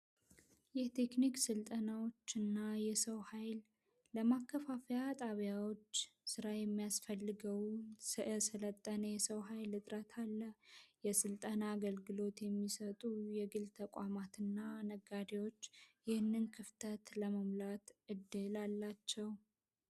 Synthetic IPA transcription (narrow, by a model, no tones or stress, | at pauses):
jɛt̪ʰe̞kniksɨlt̪ʼənawo̞t͡ʃːɨnːajɛsəwhajlː | əmakːəfafejat̪ʼaβjawo̞t͡ʃːsɨɾajɛmːijasfəlːɨɡəwssɨlət̪ʼːənəjɛsəwɦajlɨt̪ʼɾət̪ʰalːəjɛsɨlt̪ʼənaːɡəlɡɨlo̞t̪jɛmːisət̪ʼujɛɡɨlt̪ʰəkʼamat̪ɨnːanəɡad̪ewo̞t͡ʃːjɪhɨnːɨnkʰɨft̪ʰət̪ləməmlat̪ʔɨd̪ːɨlalːat͡ʃːɛw